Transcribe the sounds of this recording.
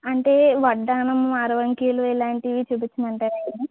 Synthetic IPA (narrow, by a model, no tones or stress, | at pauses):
ɐɳʈe̞ːʋɐɖːaːnɐmaːɾɐʋɐŋkiːluilaːɳʈiʋit͡ʃubut͡ʃːinɐɳʈaːɾɐkːɐni